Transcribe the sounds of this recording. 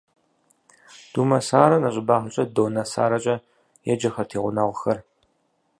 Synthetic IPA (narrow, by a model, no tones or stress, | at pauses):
d̥uːmɐsaːɾɐnɐɕʷʼɪbaːχət͡ʃʼɐdoːnɐsa̰ːɾɐt͡ʃʼɐ | jɛd͡ʒɐxɐrtʰeːʁʷʊnɐʁʷʊxɐr